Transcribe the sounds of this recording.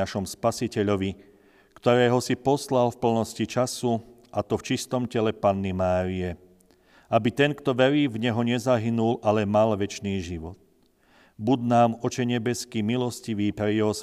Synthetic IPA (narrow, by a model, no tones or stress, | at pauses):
aʃɔmspasicɛʎɔʋi | kt̪ɔɾɛːɦɔsipɔslalfpl̩nɔscit͡ʃasu | ʔat̪ɔft͡ʃist̪ɔmcɛlɛpanːimaːɾiɛ | abit̪ɛnkt̪ɔʋɛɾiːvɲɛɦɔɲɛzaɦinulʔalɛmalʋɛt͡ʃniːʒiʋɔd̪ | bud̪naːmɔt͡ʃɛɲɛbɛskiːmilɔsciʋiːpɾɛjɛɦɔs